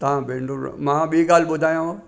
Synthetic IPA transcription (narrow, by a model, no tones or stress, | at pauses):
t̪ɐãbẽɳɖuɾmãːɓĩːɡaːlɓʊd̪ʱaːjãoː